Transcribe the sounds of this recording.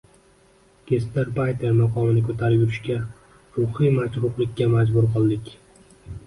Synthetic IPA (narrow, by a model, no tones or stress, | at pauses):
ɡ̥ʲest̪eɾpajt̪ʰeɾmaqʰɒmɪnɪkʰɵt̪ʰaɾɪjʊɾɪʃkʲa | ɾʊhijmat͡ʃɾʊqlɪkʲːamad͡ʒbʊɾqʰɨlˠd̪ɪkʲ